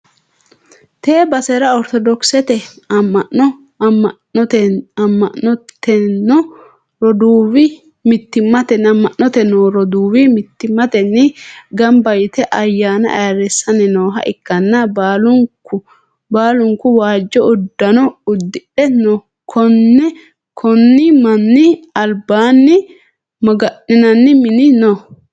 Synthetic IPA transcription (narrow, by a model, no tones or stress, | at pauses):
t̪eːbɐsɛɾɐɔɾt̪ɔd̪ɔksɛt̪ɛ | ɐmːɐʔɔ | ɔɐmːɐʔɔt̪ɛnːɔ | ɾɔd̪uːwɪ | mɪt̪ːɪmːɐt̪ɛnɐmːɐʔnːɔt̪ɛnoːɾɔd̪uːwɪmɪt̪ːɪmːɐt̪ɛnːɪɡɐmbɐjɪt̪ɛʔɐjːaːnɐ̰ʔɐ̰jɐɾɛsːɐnɪnoːɦɐ̰ʔɪkːɐnːɐbaːlʊŋkːʊ | baːlʊŋkʊwaːd͡ʒːɔʊd̪ːɐnɔʊd̪ːɪᶑɛnɔ | kʰɔnːɛ | kʰɔnːɪmɐnːɪɐlbaːnːɪ | mɐɡɐʔɪnɐnːɪmɪnɪnɔ